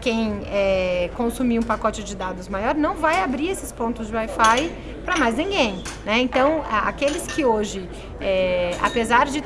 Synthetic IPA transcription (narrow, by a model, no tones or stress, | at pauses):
kẽj̃ɛkõsumiũpakɔt͡ʃɪd͡ʒɪd̪ad̪ʊzmajɔɾnɐ̃w̃vajabɾiesɪspõnt̪ʊzd͡ʒɪwajfaj | pɾɐmajznĩɡẽj̃nɛẽnt̪ɐ̃w̃aa̰kelɪskɪoʒɪ | ɛa̰pezaɾd͡ʒɪ